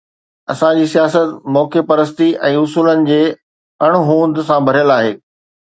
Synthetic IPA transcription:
ɐsãd͡ʑiːsijaːs̬ət̪mɔːkepɐɾəs̬t̪iʔɛ̃ːʊsuːlənɪ̆d͡ʑeː | ɐɽ̃ʊɦũːnd̪sãbʱɐɾijəlaːɦeː

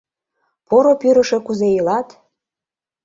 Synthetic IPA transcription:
poɾopyɾəʃe̽kuzejəlɑt̪

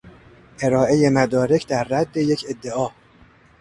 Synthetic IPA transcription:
ʔe̞ɾɒːʔe̞je̞mæd̪ɒːɾe̞cʰd̪æɾːæd̪ːe̞jecʰe̞d̪ːe̞ɒː

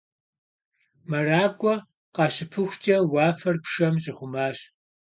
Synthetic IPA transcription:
mɐraːɡʷʼɔ | qɑːɕɪpʰɨxʷt͡ʃʼɐwɑːfɐrpʂɐmʑɪχʷʊmaːɕ

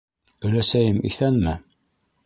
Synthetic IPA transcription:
ɵ̆læsæjɘmʔḭθænmɘ

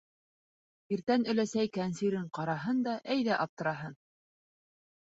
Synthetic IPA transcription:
iɾt̪ænɵ̆læsæjkænsiɾɘɴqɑɾɑɦɤnd̪ɑʔæjðæʔɑp̚t̪ɤ̆ɾɑɦɤn

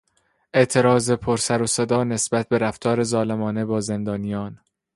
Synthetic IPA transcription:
ʔe̞ʔt̪ʰe̞ɾɒːzepʰoɾsæɾosed̪ɒːne̞sb̥æt̪̚ʰbe̞ɾæft̪ʰɒːɾe̞zɒːlemɒːne̞bɒːze̞nd̪ɒːnijɒːn

